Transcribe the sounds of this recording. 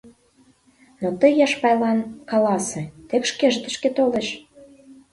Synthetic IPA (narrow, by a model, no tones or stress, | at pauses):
not̪əjɑʃpɑjlɑnkɑlɑsĕt̪ekʃkeʒt̪ə̆ʃket̪oleʃ